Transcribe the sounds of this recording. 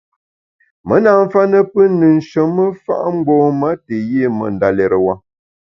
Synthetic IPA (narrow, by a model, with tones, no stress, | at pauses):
mə˦na˨ɱ̩˦fa˦nə˦pə˦nɨ˨n̩˨ʃə˨˦mːə˦fa̰˦ʔŋ͡m̩˦ɡ͡bɔ˦ma˦tə˨je˦˨mə̰˨n̩˨da˨lɛ˨ɾə˨wa˦